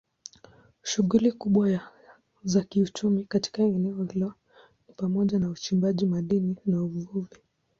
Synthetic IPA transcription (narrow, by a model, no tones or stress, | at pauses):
ʃuɣulikuɓwa | zakiut͡ʃumikati̥kaɛnɛɔhilɔ | nipamɔʄanaut͡ʃimbaʄimaɗininauvuvi